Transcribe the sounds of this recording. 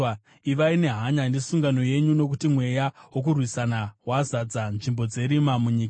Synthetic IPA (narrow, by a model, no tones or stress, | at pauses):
iʋaine̞ɦaɲandesuŋɡano̞je̞ɲuno̞k̬utimwe̞jaɦwo̞k̬urwisanawazad͡zanʐimbo̞d͡ze̞ɾimamuɲiːka